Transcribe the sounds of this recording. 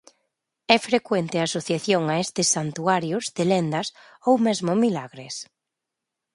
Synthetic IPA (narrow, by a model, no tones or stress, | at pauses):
ɛfɾekwent̪ɪasoθjaθjoŋaest̪ɪsːant̪uaɾjʊzðelend̪ɐs | owmɛzmʊmilaɣɾɪs